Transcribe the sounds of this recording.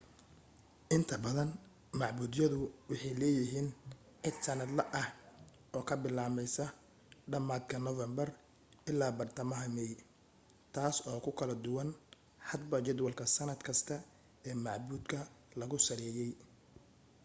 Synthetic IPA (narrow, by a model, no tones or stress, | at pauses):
ʔɪnt̪ʰɐbɐðɐn | mɑʕbuːd̪jɐðʊwɑħɑjlɛːjɪɦiːn | ʕɪd̪sɐnɐd̪lɐʔɐh | ʔɔːkʰɐbɪlaːmɛjsɐ | ɖɐmaːd̪kʰɐnɔvɛmbɐr | ɪlaːbɐrt̪ʰɐmɐɦɐmɛj | t̪ʰaːsɔːkʰʊkʰɐlɐd̪ʊwɐn | ħɑd̪bɐt͡ʃɛd̪wɐlkʰɐsɐnɐd̪kʰɐst̪ʰɐ | ɛːmɑʕbuːd̪kʰɐlɐɣʊsɐɾɛːjɛj